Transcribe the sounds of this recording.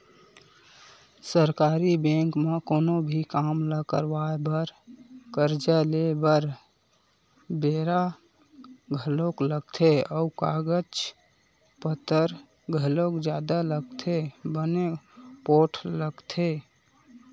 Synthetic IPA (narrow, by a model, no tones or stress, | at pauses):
səɾkaɾibẽŋkmekoːnobʱikamləkəɾbaebəɾkəɾd͡ʒalebəɾ | beɾa | ɡʱəlokləɡ̚t̪ʰeɔukaɡət͡ʃ | pət̪əɾ | ɡʱəlokd͡ʒjad̪aləɡt̪ʰebənepoʈʰləɡt̪ʰe